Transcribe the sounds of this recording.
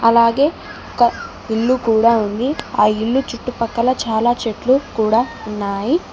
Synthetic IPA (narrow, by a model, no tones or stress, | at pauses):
ɐlaːɡe̞ː | ɔkɐ | iɭːukuːɽaːund̪iaːiɭːut͡ʃuʈːupɐkːɐlɐt͡ʃaːlaːt͡ʃeʈlukuːɽaːunːaːji